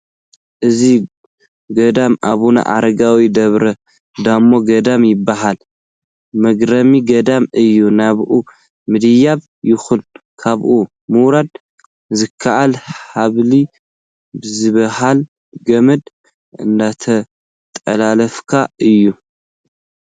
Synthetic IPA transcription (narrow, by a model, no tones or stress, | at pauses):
ʔɨzi | ɡɐd̪amʔaβuna̰ʔa̰ɾɐɡawid̪ɐβɾɐ | d̪amːo̞ɡɐd̪amjɪbːaɦal | mɐɡɾɐmiɡɐd̪amɨjːunaβʔu | mɨd̪ɨjaβ | jɪxunkʰaβʔu | mɨwɾad̪ | zɨkʰːaʔalħaβli | bɨzɨβɐhal | ɡɐmɐd̪ | ɨ̰nd̪at̪ʰɐ | t̪ʼɐ̰lalɐfkʰaɨjːu